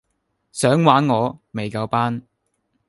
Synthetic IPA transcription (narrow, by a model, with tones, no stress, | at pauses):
sœː˨˥ŋwaː˨˥nŋɔː˨˧me˨jkɐ˧wpaː˥n